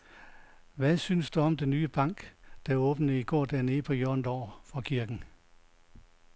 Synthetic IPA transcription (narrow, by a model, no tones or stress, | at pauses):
ʋæsynsd̥uɒ̽md̥enːyːəb̥ɑ̈ŋ̰ɡ̥d̥æɔ̽ːb̥n̩əiɡ̥ɒ̰ːd̥æɐ̰ne̝ːpʰɒ̽jøɐnd̥ɒ̰ːfɒ̽kʰiɐɡ̥n̩